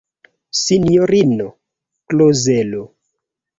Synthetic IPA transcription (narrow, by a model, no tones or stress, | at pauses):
sinijoɾino | klozelo